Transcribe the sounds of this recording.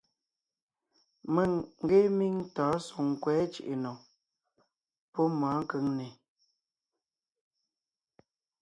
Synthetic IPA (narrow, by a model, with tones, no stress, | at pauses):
mə˦˨ŋ̩˦ɡe˦mi˦ŋtɔː˨˦su˨ŋ˨kwɛː˨˦t͡ʃḭ˨ʔe˨no˨ | pɔ˦maː˨˦ŋ̩˦kə˦ŋne˨